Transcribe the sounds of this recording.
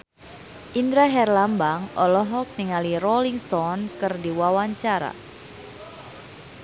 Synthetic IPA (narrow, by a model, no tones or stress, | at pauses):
ʔindɾaɦɛrlambaŋɔlɔɦɔk̚niŋalirɔliŋst̪ɔnkɨrdiwawaɲt͡ʃaɾa̰